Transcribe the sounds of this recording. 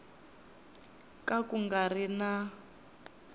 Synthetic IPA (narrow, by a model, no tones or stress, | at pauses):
kʼakuŋɡarina